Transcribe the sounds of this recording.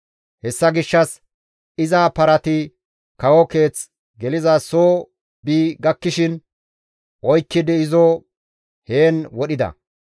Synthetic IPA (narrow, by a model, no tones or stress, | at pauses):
hɛsːɐɡɪʃːɐs | ɪzaːpɐɾɐt̪ɪ | kɐwɔke̞ːt͡s | ɡɛlɪzɐsoː | biːɡɐkːɪʃɪn | ʔɔjkːɪd̪ɪɪzo | he̞ːnwɔɗɪd̪ɐ̰